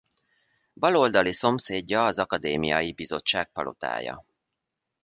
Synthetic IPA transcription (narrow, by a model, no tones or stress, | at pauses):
bɒlo̞ld̪ɒliso̞mseːɟːɒːzɒkɒd̪eːmijɒjibizo̞t͡ʃːaːk̚pɒlʔo̞̰t̪a̰ːjɒ̰